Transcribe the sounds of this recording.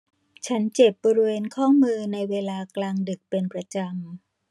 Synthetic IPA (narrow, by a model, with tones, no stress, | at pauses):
t͡ɕʰa˦˥nt͡ɕe˨˩p̚bɔː˧ɾi˦˧weː˧nkʰɔː˥˩mɯː˧na˧jweː˧laː˧klaː˧ŋdɯ˨˩k̚pe˧npɾa˧t͡ɕa˧m